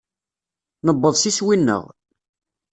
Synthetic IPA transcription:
nəbːəðˤsiswinːə̰ʁ

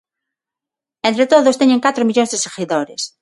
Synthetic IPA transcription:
ẽnt̪ɾet̪oðost̪eɲẽŋkat̪ɾomiʎõnzðeseɣiðoɾes

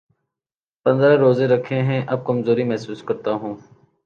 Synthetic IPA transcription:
pɐ̃nd̪ɾaɾoːzeɾɐkʰeɦɛ̃ʔɐb̚kɐmzoːɾimɛɦsuːskɐɾt̪aɦũː

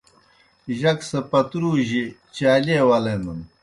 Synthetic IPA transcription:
ʑɐksɐpɐt̪ɾuːʑit͡ɕaːliewɐlemun

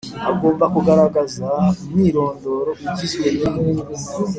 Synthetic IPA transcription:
a̰ɡo̞ːmbakuɡaɾaɡazamiːɾo̞ːndo̞ːɾokuɟizwenemuɡu

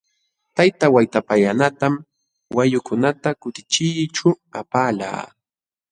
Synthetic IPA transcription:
t̪ajt̪awajt̪apajanat̪am | wajʊkʊnat̪akʊt̪ɪ̥t͡ʃɪjt͡ʃʊ | apaːla̰ː

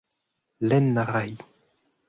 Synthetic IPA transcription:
lɛnːaʁaj

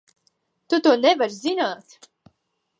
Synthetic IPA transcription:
t̪ut̪uːnɛvaɾzinaːt̪

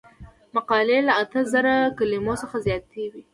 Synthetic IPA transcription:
maqɑlelaat̪əzaɾakalimosəxazjɑt̪ewi

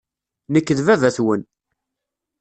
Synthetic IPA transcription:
nəkːəðvævæθwən

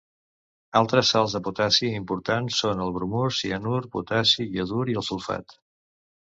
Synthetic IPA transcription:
alˠt̪ɾəsːalˠzðəput̪asiimpuɾt̪ansːonəlˠβɾumusiənuɾpṵt̪asiiəðuɾiəlˠsulˠfa̰t̪

